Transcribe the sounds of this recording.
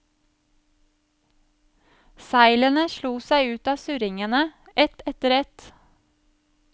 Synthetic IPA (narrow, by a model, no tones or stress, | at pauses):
sæɪlənəʃluːsæɪʉːt̪ɑːsʉɾɪŋənəʔɛt̪ɛt̪əɾɛt̪